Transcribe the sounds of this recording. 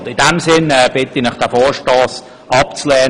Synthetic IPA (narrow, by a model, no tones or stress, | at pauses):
dɪdɛmsɪnɛːb̥ɪt̪inɪχd̥ɛfɔːɹʃtɑːs | ɑpt͡slɛː